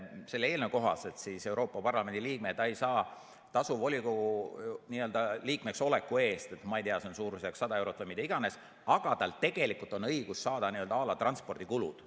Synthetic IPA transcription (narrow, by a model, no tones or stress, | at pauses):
se̞lːeeːlneko̞ɦɑ̰se̞t̪sise̞wɾo̞ːpːˑɑpɑrlɑme̞nd̪̥ʲiliːk̚met̪ːɑejsɑː | t̪ɑsuvo̞lʲiku | niːø̞ld̪ɑliːkmekso̞le̞kːˑue̞ːst̪e̞t̪mɑejt̪eɑseonsuːɾuseɑksɑd̪ɑe̞wɾot̪vəjmit̪ːˑeiɡ̥ɑne̞s | ɑɡ̥ɑt̪ɑlt̪e̞ɡ̥e̞likult̪ˑonɤiɡ̥usːɑːd̪ɑniøld̪̥ɑɑːlɑt̪rɑnspo̞rd̪ikulṵd̪̥